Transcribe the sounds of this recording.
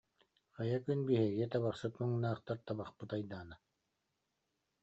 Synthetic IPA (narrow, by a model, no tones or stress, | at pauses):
χɑjakynbiɦɛɡɛt̪aβaχsɯt̪mɯŋnaːχt̪aɾt̪abaχpɯt̪ajd̪aːnɯ